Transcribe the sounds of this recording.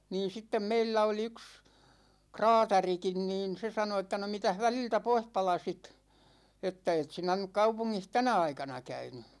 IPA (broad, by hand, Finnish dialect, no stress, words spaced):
niːn̞ sitːem meilːæ oli yks krɑːtɑrikin niːn se sɑno etːæ no mitæh ʋæliltæ poih pɑlɑsit etːæ et sinæ nyk kɑupuŋːih tænæ ɑikɑnɑ kæyny